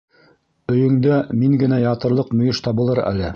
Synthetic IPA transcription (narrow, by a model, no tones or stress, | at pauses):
ɵ̆jɵ̆ŋd̪æmiŋɡɘ̆næjɑt̪ɤ̆ɾlˠɤqmɵ̆jɘʃt̪ɑbɤ̆lˠɤɾæ̰lɘ